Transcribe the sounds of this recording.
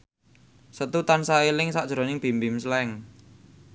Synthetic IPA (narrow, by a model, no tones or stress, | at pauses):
sət̪ut̪ansaelɪŋsad̥ʒ̥ɾɔ̤nɪŋb̥i̤mbɪmslɛŋ